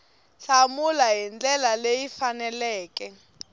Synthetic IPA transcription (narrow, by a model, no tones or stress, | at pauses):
ɬamulaɦind͡ɮɛlalejifanɛlɛːkɛ